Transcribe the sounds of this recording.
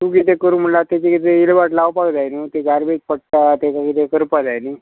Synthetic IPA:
t̪ũɡit̪ekəɾuːnm̤əɳlat̪et͡ɕekit̪eilʋaʈlaʋpakd͡zajnət̪eɡaɾbet̪̚pəɽ̚ʈ̪at̪et͡ɕaɡit̪ekəɾupad͡zajni

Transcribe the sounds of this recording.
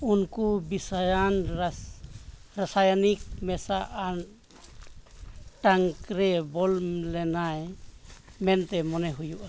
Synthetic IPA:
unkubisajan | ɾasajanik̚mɛsaʔan | ʈaŋkɾɛbɔllɛnaj | mɛnt̪ɛmɔnɛɦujuʔa

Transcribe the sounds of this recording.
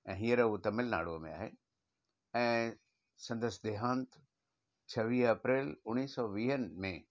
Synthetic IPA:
ɛ̃ːɦiəɾɛut̪ɐmːɪlna̰ːɽomḛ̃a̰ːɦe | ɛ̃ː | sɐ̃nd̪əsd̪eɦãːnt̪ | t͡ʃʰɐʋiːɦɐpɾeːlʊnːiːsɔːʋiːɦənmẽ

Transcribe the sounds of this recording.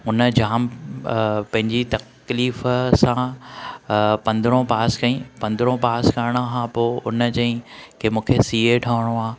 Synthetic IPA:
ʊnəd͡ʑaːm | pɐ̃ɦɪ̃ɲd͡ʑit̪ɐk | liːfsã | pɐ̃nd̪ɾõpaːskɐĩpɐ̃nd̪ɪɾõpaːskaːɪɽ̃aɦãpoːʊnəd͡ʑɐ̃ĩkʰeːmũːkʰesiːeɖʰʱaːʋɽ̃oaː

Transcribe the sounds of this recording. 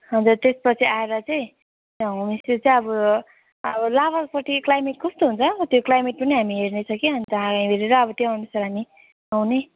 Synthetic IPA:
ɦʌnd͡zurt̪espʌt͡sʰiaeɾʌt͡sʌĩ | t̪ʌɦumisut͡saĩʌbʌ | ʌbʌlaβapʌʈʰiklajmeʈ̚kʰʌst̪oɦunt͡sʰʌʌt̪joklajmeʈ̚pʌniɦamiɦernet͡sʰʌkiɦʌnt̪ʌaɡãj̃bʱeɾeɾʌːbʌt̪joanesʌɾani | awne

